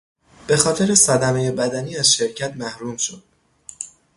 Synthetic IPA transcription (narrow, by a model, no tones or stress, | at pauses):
b̥e̞xɒːt̪ʰe̞ɾe̞sæd̪æme̞je̞bæd̪æniːæz̥ʃe̞ɾcʰæt̪mæhɾuːmʃod̪̥